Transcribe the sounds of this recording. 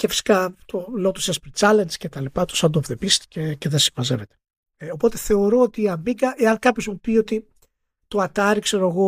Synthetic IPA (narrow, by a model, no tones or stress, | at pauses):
ce̞fi̥si̥kɐt̪olot̪usespɾit͡sɐlenscet̪ɐlipɐt̪u̥sɐnd̪ovðepist̪i̥cece̞ðesi̥mɐzevet̪e | opo̞t̪e̞θe̞o̞ɾo̞ot̪iːɐmiɡɐʔe̞ɐnkɐpço̞zmupio̞t̪i | t̪oɐt̪ɐɾikseɾoeɣo̞